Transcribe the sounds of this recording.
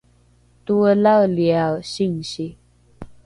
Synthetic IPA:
t̪ulaljaɕiŋɕi

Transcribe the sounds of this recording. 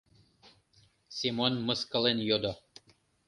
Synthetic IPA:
sʲimonmɤskəlˠenjod̪o

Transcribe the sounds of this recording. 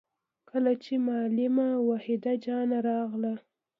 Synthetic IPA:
kʰəlat͡ʃemɑlɪmawɑhɪd̪ad͡ʒɑnaɾɑɣla

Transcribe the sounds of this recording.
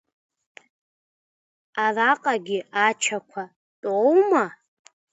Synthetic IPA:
araqʼaɡʲiɪat͡ʃʰakʷʰa | tʼowma

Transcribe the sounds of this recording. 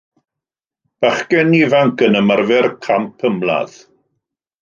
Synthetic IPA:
b̥aχkɛnivaŋkənəmarvɛrkʰampʰəmlˠa̰ð̥

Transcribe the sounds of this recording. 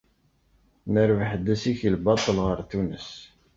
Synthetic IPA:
nəɾvəħəd̪ːæsiçəlbɑt̪ˤəlʁəɾt̪unəs

